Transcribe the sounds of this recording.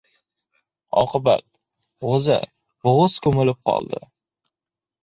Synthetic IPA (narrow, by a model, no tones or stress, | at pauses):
ɒ̰qɨba̰t̪̚ | ʁozɪ̰ | bʊʁʊskʰɵmɪlɪp̚qʰɒ̰lˠd̪ɪ